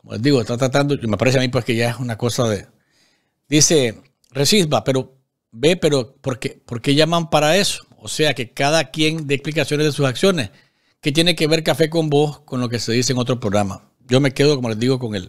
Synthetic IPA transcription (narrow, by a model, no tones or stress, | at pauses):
komo̞lezd̪iɣo̞est̪at̪ɾat̪and̪oimepaɾe̞seamipwe̞ske̞ʝae̞sunako̞saðe | d̪ise̞ | resisbape̞ɾo̞ | be̞pe̞ɾo̞po̞ɾkepo̞ɾke̞ʝamampaɾae̞so̥ | ose̞ake̞kaðakje̞ŋd̪eːksplikasjone̞zðesusaksjo̞nes | ke̞t̪je̞neke̞βe̞ɾkafe̞k̬o̞mbo̞sko̞nlo̞k̬e̞se̞ðis̬eeŋot̪̬ɾo̞pɾoɣɾama̰ | ɟ͡ʝo̞me̞ke̞ð̞o̞ko̞mo̞le̞zd̪iɣo̞ko̞ŋḛl